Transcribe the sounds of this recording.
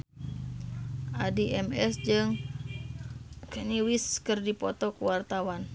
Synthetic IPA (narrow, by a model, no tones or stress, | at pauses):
ʔadiʔɛmɛsd͡ʒɨŋ | kəniwiskɨrdipɔt̪ɔkuwart̪awan